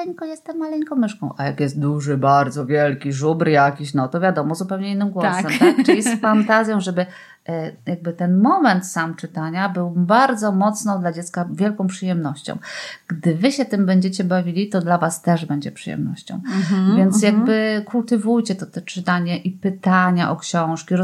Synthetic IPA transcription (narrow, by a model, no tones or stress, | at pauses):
ɛŋkɔjɛst̪ːɛmːalɛŋkɔ̃w̃mɘʂkɔ̃w̃ʔajakjɛst̪̚d̪uʐɘbaɾd̪zɔvʲjɛlkʲiʐubɾjakʲiɕnɔt̪ɔvʲjad̪ɔmɔzupɛwɲɛinːɘmɡwɔasɛmt̪akʈ͡ʂlʲiɛsffant̪azʲjɔ̃w̃ʐɛbɘ | jaɡ̚bɘt̪ɛnmɔmɛnt̪samt͡ʂɘt̪aɲabɘwbaɾd̪zɔmɔt̪snɔ̃w̃d̪lad͡ʑɛt̪skavʲjɛlkɔ̃w̃pʂɘjɛmnɔɕt͡ɕɔ̰̃w̃ɡ̥d̪ɘvɘɕɛt̪ɘmbɛɲd͡ʑet͡ɕɛbavʲilʲit̪ɔd̪lavast̪ɛʐbɛɲd͡ʑɛpʂɨjɛ̰mnɔ̰ɕt͡ɕɔ̰̃w̃vʲjɛnt̪jaɡbɘkult̪ɘvujt͡ɕɛt̪ɔt̪ɛt͡ʂɘt̪aɲɛʔipɘt̪aɲaʔɔkɕɔ̃w̃ʂkʲiɾ